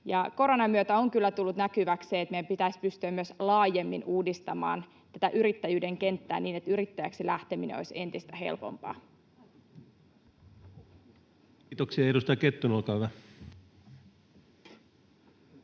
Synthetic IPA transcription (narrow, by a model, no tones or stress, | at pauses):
jɑko̞ɾonɑmyøt̪æoŋkylːæt̪ulːut̪nækyʋækseːet̪meæmpit̪æispyst̪yæmyøslɑːje̞mːinʔuːdist̪ɑmɑ̰ːn | t̪æt̪æʔyɾit̪ːæjyːde̞ŋke̞nt̪ːæ̰ːniːne̞t̪yɾit̪ːæjæksilæht̪e̞minḛno̰jse̞nt̪ist̪æɦe̞̰lpo̞̰mpɑ̰ː | t̪oksiɑeɾust̪ɑjɑket̪ːunolkɑːhyʋæ